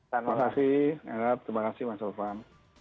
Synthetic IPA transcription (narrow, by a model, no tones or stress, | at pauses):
amakasiha̰ɡat̪əɾimakasɪhmasalfan